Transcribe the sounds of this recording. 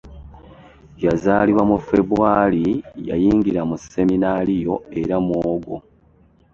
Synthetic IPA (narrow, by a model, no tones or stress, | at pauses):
jazaːliβwamufe̞βuwaːlija̰jiːŋɡiɾamuse̞minalijo̞e̞ɾamwoːɡo